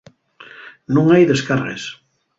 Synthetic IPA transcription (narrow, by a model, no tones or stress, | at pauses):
nũŋajðeskarḛs